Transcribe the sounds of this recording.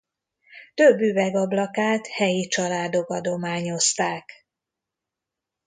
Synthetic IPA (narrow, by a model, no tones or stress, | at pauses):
t̪ø̞bːyvɛɡɒblɒkaːt̪hɛjit͡ʃɒlaːd̪o̞kɒd̪o̞maːɲo̞st̪aːk